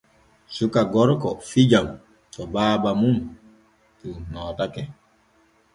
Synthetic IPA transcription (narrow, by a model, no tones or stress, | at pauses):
sukaɡɔɾkɔfid͡ʒam | tɔbaːbamun | tunɔːtakɛ